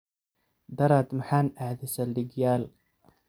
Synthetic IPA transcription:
d̪ɑɾˤɑt̪mħaːnʔaʕd̪ɪsalːɪɡjaːl

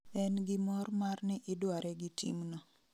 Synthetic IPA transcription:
ɛnɡɪmɔrmarnɪʔɪdwaɾɛɡɪtḭmnɔ

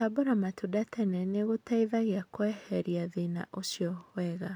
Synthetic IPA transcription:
aboɾamatudatʰɛnɛneɣotaiðaɣeakwɛhɛɾiaðina̰ʔosjɔwɛɣa

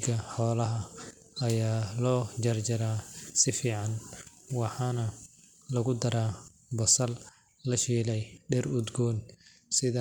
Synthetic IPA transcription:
ɡɐħɔːlɐɦɐ | ɐjaːlɔːd͡ʒɐrd͡ʒɐɾaːsɪfiːʕɑnwɑħɑːnɐ | lɐɣʊd̪ɐɾaː | bɐsɐl | lɐʃiːlɛjɖɛrʊd̪ɡɔːn | sɪðɐ

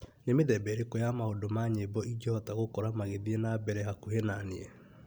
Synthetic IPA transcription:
nemeðɛbɛɾekojamahodomaɲebɔid͡ʒɔhɔtaɣokɔɾamaɣeðienabɛɾɛɦakuɦenanie

